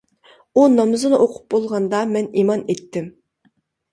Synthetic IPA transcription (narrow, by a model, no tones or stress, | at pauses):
unɑmɨzɨnɨʔoqʰʊ̥p̚bolˠʁɑnd̪ɑmɛnimɑnet̪ʰːɪm